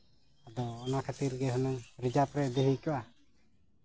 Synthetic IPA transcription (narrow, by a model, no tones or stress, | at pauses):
ad̪ɔːnakʰat̪iɾɡɛɦɔnaŋɾid͡ʒapɾɛʔd̪eɦijkɔʔa